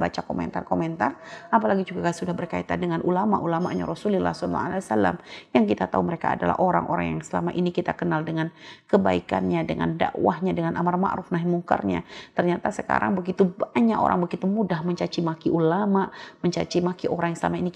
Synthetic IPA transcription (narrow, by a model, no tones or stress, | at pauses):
bat͡ʃakomɛ̰nt̪arkomɛnt̪arapalaɡid͡ʒuɡakasudahbərkait̪andəŋanʔulama̰ʔulama̰ʔɲa̰ɾɔsulila̰hsɔlːa̰alaasalːa̰mjaŋkit̪at̪auməɾeka̰ːdala̰hoɾa̰ŋʔo̰ɾa̰ŋjaŋsəla̰maʔinikit̪akənaldəŋankəbaika̰nɲadəŋa̰nda̰ʔwahɲadəŋanʔamarma̰ʔɾufnaɦimuŋka̰rɲa̰t̪ərɲat̪asəka̰ɾaŋbəɡit̪ubaɲako̰ɾʔa̰ŋbəɡit̪umudahməɲt͡ʃat͡ʃimakiʔulamaʔməɲt͡ʃa̰t͡ʃimakiʔoɾaŋjaŋsəla̰mainik